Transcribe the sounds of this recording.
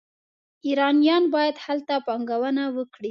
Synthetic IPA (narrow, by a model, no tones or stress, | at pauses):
iɾɑnjɑnbɑjad̪halt̪apɑŋɡawənawəkɽi